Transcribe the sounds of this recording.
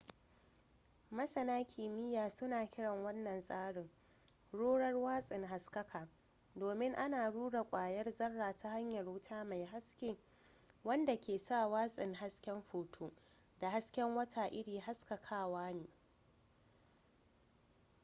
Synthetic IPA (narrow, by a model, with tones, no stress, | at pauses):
mɐ˦sɐ˨naː˦kʲʰiː˨mɪ˦jaː˨sʊ˦naː˨kʲɪ˦ɽɐ˨ŋwɐ˦nːɐ˨nsʼaː˦ɽɪ˨ŋ | ɽoː˦ɽɐ˦rwaː˦sʼɪ˨ŋɦa˨skɐ˦kʰaː˨ | doː˨mɪ˦ŋʔa˦naː˨ɽuː˦ɽa˨kʷʼaː˨jɐ˦rzɐ˦rːaː˨tʰa˦ha˦ɲjɐ˨rwʊ˦tʰaː˦ma˨jɦa˦skʲeː˦ | wɐ˦nda˨kʲeː˨sa˦˨waː˦sʼɪ˨ŋɦa˦skʲɛ˦mɸuː˨tʰuː˦ | da˨ha˦skʲɛ˦ŋwɐ˦tʰaː˨ʔɪ˦ɽiː˨ɦa˦skɐ˨kʰaː˦waː˦neː˨